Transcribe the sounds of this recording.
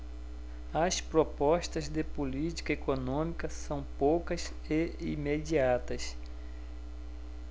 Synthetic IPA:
ɐspɾopɔʃt̪ɐzd̪epolit͡ʃi̥kɐekonõmikɐsɐ̃w̃powkɐs | eimed͡ʒiat̪ɐs

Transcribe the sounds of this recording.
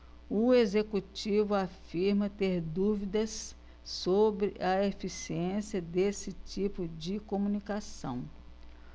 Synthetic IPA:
ʊezekut͡ʃivʊafiɾmɐt̪eɾd̪uvid̪ɐsː | obɾɪʔɐefisiẽsiɐd̪esɪt͡ʃipʊd͡ʒɪkomũnikasɐ̰̃w̃

